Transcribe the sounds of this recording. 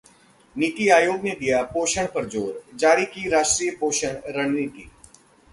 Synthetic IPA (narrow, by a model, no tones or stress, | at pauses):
niːt̪iːaːjoːɡnẽd̪ɪjaːpoːʃəɳpəɾd͡ʒoːɾd͡ʒaːɾiːkiːɾaːʃʈɾiːpoːʃəɳɾəɳ̃niːt̪iː